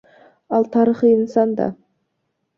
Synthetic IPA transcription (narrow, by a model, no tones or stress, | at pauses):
ɑlˠt̪ʰɑɾəχəjənsɑnd̪ɑ̰